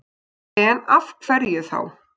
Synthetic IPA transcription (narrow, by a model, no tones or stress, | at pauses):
ɛnafkʰv̥ɛɾjɪθa̰w